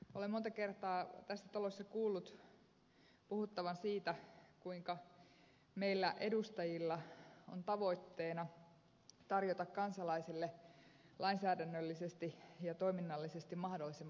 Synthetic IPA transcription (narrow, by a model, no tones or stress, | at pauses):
olemont̪ɑke̞rt̪ɑːt̪æsːæt̪ɑlosːɑkuːlːut̪ | puhut̪ːɑʋɑnsiːt̪ækuiŋkɑ | meilːæʔedust̪ɑjilːɑo̰nt̪ɑʋo̞it̪ːeːnɑ | t̪ɑrjot̪ɑkkɑnsɑlɑisilːelʔɑinsæːdænːølːisest̪ijɑt̪o̞iminːɑlːisest̪immɑhdolːˑisem